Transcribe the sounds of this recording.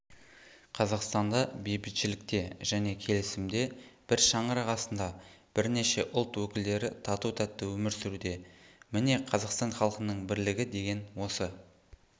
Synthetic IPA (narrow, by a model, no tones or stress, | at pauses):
qʰɑzɑqst̪ɑnd̪ɑbe̞jbɪt̪ʃɪlɪk̚t̪e̞ʒ̥æne̞kʲʰe̞lɪsɪmd̪e̞b̥ɪɾʃɑɴəɾɑʁɑsənd̪ɑ | b̥ɪɾne̞ʃe̞ʔʊlˠt̪wɵkʲɪld̪e̞ɾɪt̪ʰɑt̪ut̪ʰæt̪ːəwɵmɪɾsɪɾud̪e̞mɪne̞qʰɑzɑqst̪ɑnχɑlˠqənəɴbɪɾlɪɡʲɪd̪e̞ɡʲe̞nwo̞sə